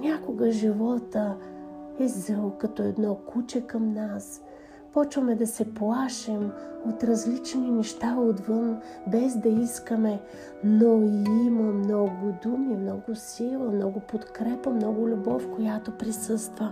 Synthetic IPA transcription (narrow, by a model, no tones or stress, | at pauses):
nʲakoɡəʒivɔt̪ə | ɛzəlˠkɐt̪ɔɛd̪nɔkut͡ʃɛkɐmnas | pɔt͡ʃvɐmɛd̪ɐsɛplˠaʃɛmot̪ɾɐzlit͡ʃninɛʃt̪aod̪vən | bɛzd̪ɐiskəmɛ | noiiməmnɔɡʊd̪umimnɔɡʊsilˠəmnɔɡʊpot̪kɾɛpəmnɔɡʊlʲubɔfkojat̪opɾisɤst̪və